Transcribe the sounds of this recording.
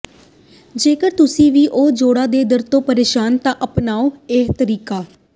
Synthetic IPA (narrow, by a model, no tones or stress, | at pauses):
d͡ʒeːkəɾt̪ʊsĩːʋiːʔoːd͡ʒoːɽaːd̪eːd̪əɾt̪õːpəɾeːʃaːnt̪ãːʔəpnaːoːet̪əɾiːkaː